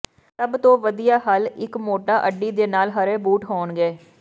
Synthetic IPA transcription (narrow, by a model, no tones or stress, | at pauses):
təbt̪õːʋəd̪ijaːɦəlɪkmoːʈaːʔəɖːiːd̪eːnaːlɦəɾeːbuːʈɦoːnɡeː